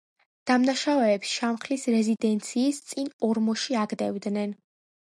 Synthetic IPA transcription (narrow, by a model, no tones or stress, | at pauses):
d̪̥amnaʃavɛːpsʃamχlisɾɛzid̪ɛnt̪sʰiːst̪sʼinɔɾmɔʃiaɡd̪ɛvd̪nɛn